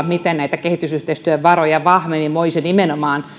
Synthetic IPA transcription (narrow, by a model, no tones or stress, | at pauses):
mit̪ennæit̪ækehit̪ysyht̪eist̪yøʋʋɑrojɑʋɑhʋemimoisenimenomɑːn